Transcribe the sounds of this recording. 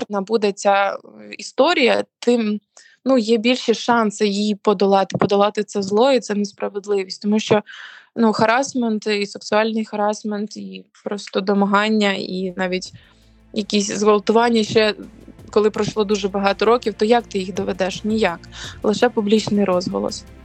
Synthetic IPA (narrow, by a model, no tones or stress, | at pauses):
rt̪nɐbud̪ɛt͡sʲaist̪ɔɾʲijɐt̪ɪm | nujɛbʲilʲʃiʃɑnsɪjijpɔd̪ɐlˠɑt̪ɪ̥pɔd̪ɐlˠɑt̪ɪt̪sɛzlˠɔit̪sɛnespɾɐʋed̪lˠɪʋʲisʲtʲt̪ɔmuʃt͡ʃɔnuxɐɾɑsment̪iseksʊɑlʲnɪjxɐɾɑsment̪ipɾɔst̪ɔd̪ɔmɐɦɑnʲːɐinɑʋʲitʲ | jɐkʲisʲzʋɔlˠt̪ʊʋɑnʲːɐʃt͡ʃɛkɔlˠɪpɾɐʃlˠɔd̪uʒɛbɐɦɑt̪ɔɾɔkʲiwt̪ɔjak̚t̪ɪjixd̪ɔʋɛd̪ɛʃnʲijɑklˠɪʃɛpʊblʲit͡ʃnɪjɾɔzɦɔ̰lˠɔ̰s